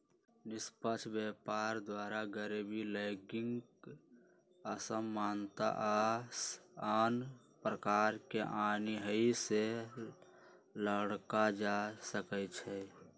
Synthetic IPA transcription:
nɪspət͡ʃʰbepaːɾd̪waːɾaɡəɾibiləːɡɪŋ | əsəmːaːnt̪a̰ʔasaːn | pɾəkaːɾkeʔaniɦəise | ləɽkad͡ʒasəkət͡ʃʰɛ

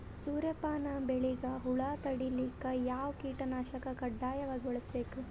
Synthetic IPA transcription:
suːɾjɐpaːnɐbeɭiɡɐɦuɭaːt̪ɐɽilikːɐjaːʋkiːʈɐnaːʃɐkɐkɐɖːaːjɐʋaːɡibɔɭɐsbe̞ːku

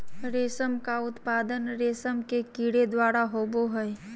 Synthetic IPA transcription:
ɾeːsəmkaʊt̪paːd̪ənɾeːsəmkekiːɽed̪waːɾaɦoːboɦɛj

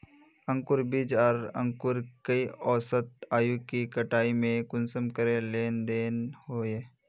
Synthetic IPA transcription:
ə̃ŋkʊɾbid͡ʒaːɾə̰̃ŋkʊɾkəiɔːsət̪̚aːjukikəʈaːimẽkʊnsəmkəɾẽleːnd̪eːnhoːeː

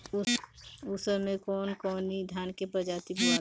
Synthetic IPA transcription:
usəɾmẽkɔːnkɔːnid̪ʱjaːnkepɾəd͡ʒaːt̪ibua

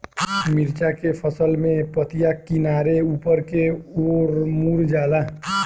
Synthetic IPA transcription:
miɾt͡ʃakepʰəsəlmẽpət̪ijakinaɾeupəɾkeoɾmuɾd͡ʒala

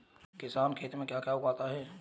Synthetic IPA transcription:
kɪsaːnkʰeːt̪imẽkjakjaːukaːt̪aɦɛː

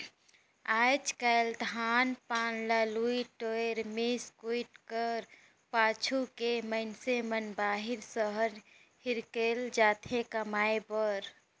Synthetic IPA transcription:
ad͡ʒkəld̪ʱanpaːnlaluiʈoeɾmeskuiʈkəɾ | paːt͡ʃʰukeməɪnsemənbaːɦiɾsəɦəɾ | hiɾkeld͡ʒaːt̪ʰekəmaːebəɾ

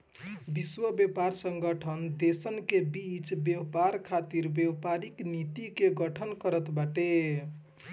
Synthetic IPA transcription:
biswəbjepaɾsəŋɡəʈʰənd̪esənkebit͡ʃbjewpaɾkʰat̪iɾbewpaɾiknit̪ikeɡəʈʰənkəɾət̪baʈe

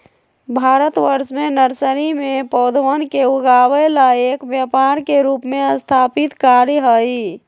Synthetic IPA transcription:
bʱaɾət̪ʋəɾsmenəɾsəɾimepəwd̪ʋənkeuɡaʋəlaekbjəpaɾkeɾupmeəst̪ʰapit̪kaɾɦəi

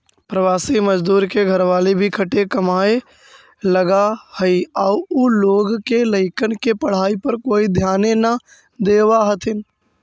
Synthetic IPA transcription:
pɾəʋaːsiməd͡ʒd̪uːɾkeɡʱəɾʋaːlibʱikʰəʈekəmaːe | ləɡahəiauʊloːɡkeləɪkənkepəɽ̤aːipəɾkoːid̪ʱjaːnenə | d̪eːwaɦət̪ʰɪn

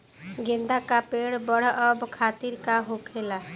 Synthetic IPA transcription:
ɡẽnd̪akapeɽbəɽ̤əbkʰat̪iɾkaɦokʰela

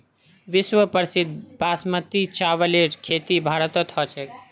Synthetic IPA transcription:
ʋisʋəpəɾsid̪ʱbasmət̪it͡ʃaʋəleɾkʰet̪ibʱaɾət̪ɔt̪ɦɔt͡ʃʰɛk

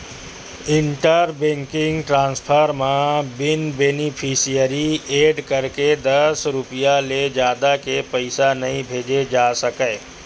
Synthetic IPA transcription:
ɪɳʈəɾbẽːŋkɪ̃ŋɡʈɾãːnspʰəɾmãbɪnbeːnipʰisijəɾieːɖkəɾked̪ɐsɾʊpijaled͡ʒjaːd̪akepəɪsanɐɦĩbʱeːd͡ʒed͡ʒaːsəkəː

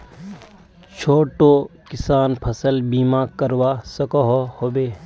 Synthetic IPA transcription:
t͡ʃʰoːʈoːkɪsaːnpʰɐsəlbiːmakəɾwasɐkoɦohoːbeː

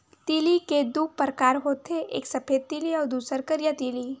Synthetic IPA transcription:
t̪iːliked̪uːk̚pəɾkaːɾɦoːt̪ʰeʔḛːksɐpʰeːd̪̚t̪iːliɔːɾd̪uːsəɾkəɾjət̪iːli

